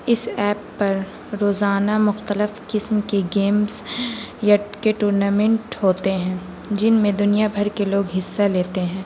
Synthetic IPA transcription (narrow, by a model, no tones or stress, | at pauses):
ɪsɛːpːɐɾ | ɾoːzaːnamʊxt̪əlɪfkɪsmkeɡeːmsjakeʈuːɾnaːmẽɳʈɦoːt̪eɦɛ̃ː | d͡ʒɪnmẽd̪ʊnijabʱɐɾkeloːɡɦɪsːaleːt̪eɦɛ̃ː